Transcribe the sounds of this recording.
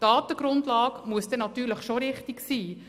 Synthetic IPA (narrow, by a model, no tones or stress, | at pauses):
d̥ɑːt̪əɡ̥ɾʊndlɑːkmuəsd̥ɛnɑt̪yːɾləχʃoɾɪχtiksiː